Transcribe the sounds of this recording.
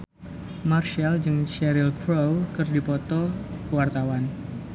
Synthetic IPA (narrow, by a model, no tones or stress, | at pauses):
marʃald͡ʒɨŋʃɛɾilpɾowkɨrdipɔt̪ɔkəwart̪awan